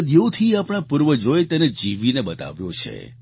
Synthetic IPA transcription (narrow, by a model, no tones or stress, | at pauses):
d̪jot̪ʰiapɽ̃ãpuɾʋəd͡ʒojt̪ened͡ʒiʋineɓət̪a̰ʋjo̰t͡ʃʰḛ